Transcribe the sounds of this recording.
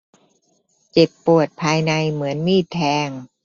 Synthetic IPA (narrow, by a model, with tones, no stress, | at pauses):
t͡ɕe˨˩pːu˨˩ət̪̚pʰaː˧jna˧jmɯ˩˦ənmiː˥˩t̪ʰɛː˧ŋ